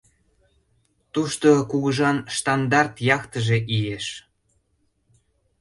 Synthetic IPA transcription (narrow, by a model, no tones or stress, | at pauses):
t̪uʃt̪okuɣəʒɑnʃt̪ɑnd̪ɑrt̪jɑkt̪əʒeʔieʃ